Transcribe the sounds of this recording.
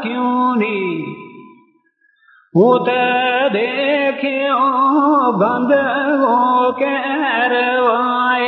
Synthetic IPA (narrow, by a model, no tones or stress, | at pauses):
kɪjũːniː | ɦũːt̪ɐd̪ekʰeobə̃nd̪kõkeɾʋa | ɦe